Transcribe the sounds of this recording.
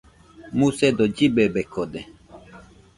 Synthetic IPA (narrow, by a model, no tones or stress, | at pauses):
mũsed̪od͡ʒibebekod̪e